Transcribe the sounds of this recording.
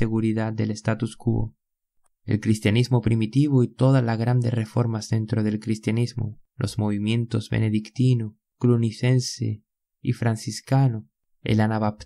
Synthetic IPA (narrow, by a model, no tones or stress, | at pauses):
eɣuɾiðad̪̚d̪elest̪at̪uskuo̰ | ḛlkɾist̪janizmo̞pɾimit̪iβoit̪o̞ðalaɣɾand̪erefo̞ɾmazðent̪ɾoðelkɾist̪janizmo̰lʔo̰zmoβ̞imjẽ̞nt̪o̞zβḛneðikt̪ino | kluniθensḛ | ifɾansiskano | ḛlanaβap